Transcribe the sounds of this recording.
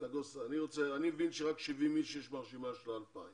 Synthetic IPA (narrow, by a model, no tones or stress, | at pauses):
daɡosaniʁot͡seanimevinʃeʁakʃivimiʃejɛʃmaʁʃimaʃelalpaim